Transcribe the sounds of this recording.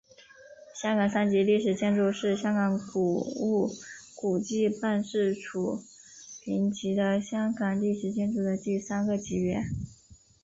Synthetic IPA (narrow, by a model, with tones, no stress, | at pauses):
ɕjɑ˥ŋkɑ˨˩ŋsa˥nt͡ɕi˧˥li˥˩ʂɻ̩˨˩t͡ɕjɛ˥˧nʈ͡ʂu˥˧ʂɻ̩˥˩ɕjɑ˥ŋkɑ˧˥ŋku˨˩u˥˩ku˨˩t͡ɕi˥˧pa˥˧nʂɻ̩˥˩ʈ͡ʂʰu˨˩ | pʰi˧˥ŋt͡ɕi˧˥d̪ə˧ɕjɑ˥ŋɡɑ˨˩ŋli˥˩ʂɻ̩˨˩t͡ɕjɛ˥˧nʈ͡ʂu˥˩d̪ə˩t̪i˥˩sa˥nɡə˨t͡ɕi˧˥ɥɛ˧˥n